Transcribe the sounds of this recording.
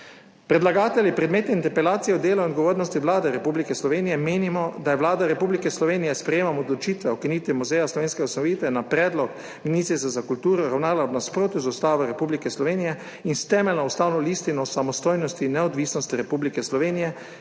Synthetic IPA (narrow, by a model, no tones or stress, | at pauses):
pɾɛd̪laɡaːt̪ɛlʲjipɾɛd̪meːt̪ɛint̪ɛɾpɛlaːt̪sijɛɔd̪eːlɔinɔd̪ɡoʋoːɾnɔst̪iwlaːd̪ɛɾɛpublikɛslɔʋeːnijɛmeːnimɔd̪ajɛʋlaːd̪aɾɛpublikɛslɔʋeːnijɛspɾɛjeːmamɔd̪lɔt͡ʃiːt̪ʋɛɔkiniːt̪ʋimuzɛjaslɔʋeːnskɛɔsanɔʋiːt̪ʋɛnapɾɛːd̪lɔk | miniːt̪sis̬ɛzakult̪uːɾɔɾawnaːlaɔbnaspɾoːt̪juzust̪aːʋɛɾɛpublikɛslɔʋeːnijɛ | inst̪ɛːmɛlnaust̪aːwnɔlist̪inɔsamɔst̪oːjnɔst̪inɛɔd̪ʋiːsnɔst̪iɾɛpublikɛslɔʋeːnijɛ